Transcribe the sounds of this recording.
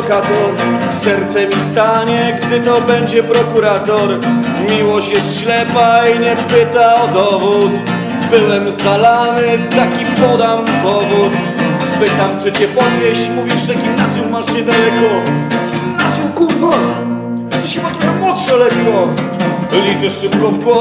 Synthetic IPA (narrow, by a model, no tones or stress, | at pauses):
kat̪ɔɾ | sɛɾt̪sɛmʲist̪aɲɛɡd̪ɘt̪ɔbɛɲd͡ʑɛpɾɔkuɾat̪ɔɾ | mʲiwɔɕt͡ɕjɛst̪ɕlɛpaiɲɛpɪt̪aɔd̪ɔvut̪ | bɘwɛmzalanɘt̪akʲipɔd̪amɡɔvut̪ | pɘt̪amt͡ʂɨt͡ɕɛpɔvʲjeɕt͡ɕmuvʲiʐʐɛɡʲimnazʲjummːaʂɲɛd̪alɛkɔɡɡʲimnazʲjumkuvɔ | ɛst̪ɛɕxɘbat̪ɾɔxamwɔtʂɔlɛkkɔ | lʲit͡ʂɛʂʂɨp̚kɔvɡwɔ